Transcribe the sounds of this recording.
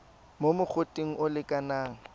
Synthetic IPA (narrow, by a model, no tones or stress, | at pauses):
momʊk͡xʰʊtʼeŋ̩ʔʊlɪkʼanaːŋ̩